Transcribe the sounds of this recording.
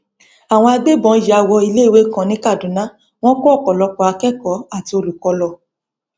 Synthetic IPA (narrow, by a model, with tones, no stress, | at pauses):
a˨w̃ɔ̃˧a˧ɡ͡be˦bɔ̃˨˧˦ji˧˦a˧wɔ˧i˧le˦i˨we˨˦kã˨nĩ˨˦ka˦˨dũ˨˦nã˨˦ | w̃ɔ̃˦kɔ˦ɔ˦˨kɔ˨lɔ˨˧kɔ˨˦a˧kɛ˦kɔ˨˦a˦˨ti˧o˧lu˨kɔ˧lɔ˧